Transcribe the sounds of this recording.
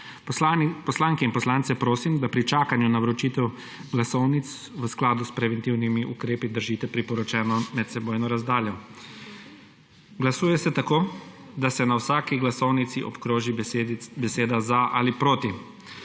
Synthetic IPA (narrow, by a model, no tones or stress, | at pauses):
pɔslaːŋkɛinpɔslaːnsɛpɾoːsimd̪apɾit͡ʃaːkanjunawɾɔt͡ʃiːt̪ɛw | ɡlasɔwnit̪s | ʋəsklaːd̪uspɾɛʋɛnt̪iwnimiʔṵkɾeːpid̪əɾʒiːt̪ɛpɾipɔɾɔt͡ʃɛːnɔmɛt̪sɛboːjnɔɾazd̪aːljɔ | ɡlasuːjɛsɛt̪akoː | d̪asɛnawsaːkiɡlasɔwnit̪siʔɔ̰pkɾoːʒibɛseːd̪azaʔa̰lipɾoːt̪i